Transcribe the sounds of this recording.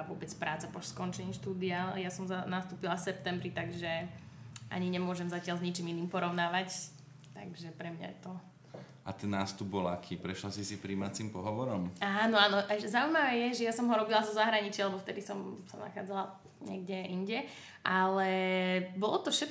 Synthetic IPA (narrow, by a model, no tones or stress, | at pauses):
aʋʊɔbɛt͡spɾaːt͡sapɔʃskɔnt͡ʃɛɲiʃt̪uːd̪ialjasɔmzanast̪uːpilafsɛp̚t̪ɛmbɾit̪aɡʒɛ | ʔa̰ɲiɲɛmʊɔʒɛmzacɪalzɲit͡ʃiminiːmpɔɾɔʊnaːʋac | t̪a̰ɡʒɛpɾɛmɲa̰jɛ̰t̪ɔ | a̰t̪ɛnːaːst̪ub̚bɔlakʰiːpɾɛʃlasisipɾiːmat͡simpɔɦɔʋɔɾɔmaːnɔaːnɔʔɛzaujmaʋɛːjɛʒɛjasɔmɦɔɾɔbilazɔzaɦɾaɲit͡ʃialɛbɔft̪ɛd̪isɔmsana̰xaːd͡zala | ɲɛ̰ɡɟɛiɲɟɛ | ʔalɛbɔlɔt̪ɔfʃɛt̪̚